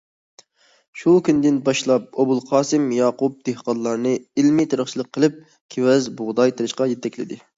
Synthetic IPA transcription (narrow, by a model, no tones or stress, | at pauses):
ʃukʲʰynd̪ɪnbɑʃlˠɑp̚obulˠqʰɑːsɨmjɑːqup̚d̪̥ehqɑnlˠɑɾnɨilmɪt̪ʰeɾəχt͡ʃʰilˠəq̚ʰːəlˠɨp̚ | kʲʰewɛzbʊʁd̪ɑjt̪ʰɨɾɪʃqɑjɛt̪ʰːɛkʲlɪ̰d̪ɪ